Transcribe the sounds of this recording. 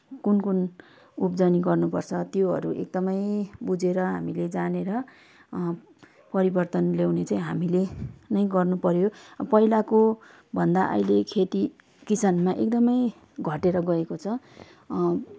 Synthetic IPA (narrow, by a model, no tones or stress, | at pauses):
kunkun | upd͡zʌniɡʌrnupʌrt͡sʰʌt̪joɦʌ̰ɾuʔḛk̚d̪ʌmʌjbud͡zeɾʌɦa̰miled͡zaneɾʌ | pʌɾibʌrt̪ʌnlewnet͡saĩɦamilenʌj̃ɡʌrnupʌɾjopʌɦilako | bʱʌnd̪aʔʌ̰jlekʰet̪i | kisanmaʔek̚d̪ʌmʌj | ɡʱʌʈeɾʌɡʌekot͡sʰʌ